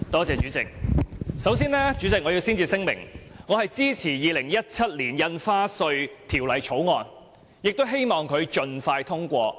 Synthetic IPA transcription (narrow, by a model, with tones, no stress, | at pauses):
t̪ɔː˥t͡sɛː˨˧t͡ʃyː˨˥t͡sɪ˨k̚sɐ˨˥wsiː˥nlɛː˥t͡ʃy˨˥t͡sɪ˨k̚ŋɔː˨˧jiː˧wsiː˥nt͡siː˨˧sɪ˥ŋmɪ̰˨˩ŋŋɔː˨˧hɐ˨jt͡siː˥t͡sʰiː˨˩jiː˨˧lɪ˨˩ŋjɐ˥t̚t͡sʰɐ˥t̚liː˨˩njɐ˧nfaː˥sɵ˧ɥt̪ʰiː˨˩wlɐ˨˩jt͡ʃʰo˨˥wŋɔː˨˧n | jɪ˨k̚t̪o˥wɦe˥jmɔː˨ŋkʰɵ˨˧ɥt͡ʃɵ˧nfaː˧jt̪ʰʊ˥ŋkʷɔː˧